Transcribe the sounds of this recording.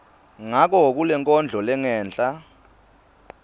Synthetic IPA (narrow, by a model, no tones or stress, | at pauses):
ŋak̬ɔk̬ulɛŋkʼɔnd͡ɮʱɔlɛŋɛːnd͡ɮʼa